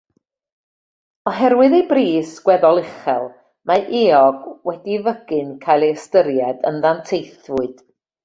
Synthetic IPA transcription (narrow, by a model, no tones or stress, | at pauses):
ɔɦɛɾwɨðejbriːsɡ̥wɛðɔlˠɪχɛlˠ | maʔɪɔɡwɛdivəɡ̥ɨnkʰajlˠeəstəɾjɛdə̰nðantʰejθvʊɨd̥